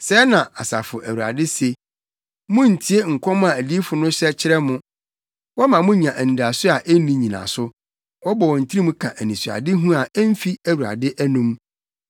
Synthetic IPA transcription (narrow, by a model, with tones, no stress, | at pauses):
sɛ˨˦nã˨ʔa̰˨sa̰˨fʊ˨ʔæ˨wu˨ɾa̰˨dɪ˦se˨ | mʊ̃˦n̩˨tʰi˦e˦ŋ̩˨kʷʰɔ̃˦mʊ̃˦a˨æ˨di˦fʊ˨nʊ̃˦ɕɛ˦t͡ɕʰɪ˦ɾɛ˦mʊ̃˦ | wɔ˦mã˨mʊ̃˦ɲã˨ʔæ˨nĩ˨da˨sʊ˦a˨ʔɛ˦nĩ˦ɲĩ˨nã̰˨sʊ˦ | wɔ˦bɔ˨wɔ̃˨n̩˨tʰi˦ɾi˦mũ˦kʰã˨ʔæ˨nĩ˨su˨a̰˨dɪ˦ɦũ˦a˨ɛ˦m̩˦fi˦æ˨wu˨ɾa̰˨dɪ˦ʔæ˦nũ˦m